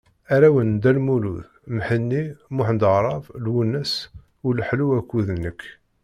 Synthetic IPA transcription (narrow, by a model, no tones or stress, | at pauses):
æɾæwənd̪ælmulṵð | mħənːimʊħənd̪əʁɾˤɑvlwunːæs | ʊlħluwækːuðnːəkː